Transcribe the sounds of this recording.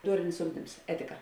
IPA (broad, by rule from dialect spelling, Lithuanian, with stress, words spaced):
ˈduɔrʲɪnʲɪs ˈʊɡdʲɪms ˈæːtʲɪkɐ